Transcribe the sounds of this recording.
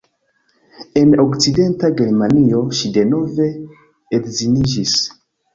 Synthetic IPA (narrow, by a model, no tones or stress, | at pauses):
e̞nokside̞ntaɡe̞ɾmanio̞ʃide̞no̞ve̞ | edzinid͡ʒis